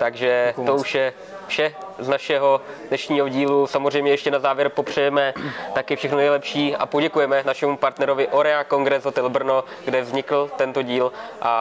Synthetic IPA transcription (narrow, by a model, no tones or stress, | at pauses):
t̪aɡʒɛt̪ouʃjɛ | fʃɛznaʃɛɦo̞dnɛʃɲiːɦo̞ɟiːlusamozr̝ɛjmɲɛjɛʃcɛnazaːvjɛɾpo̞pr̝̥ɛjɛmɛt̪akɪfʃɛxnonɛjlɛpʃiːʔapoɟɛkujɛmɛnaʃɛmupaɾt̪nɛɾo̞vɪʔo̞ɾɛako̞ŋɡɾɛzot̪ɛlbr̩no̞ɡdɛvzɲɪkl̩t̪ɛnt̪o̞ɟiːlʔa̰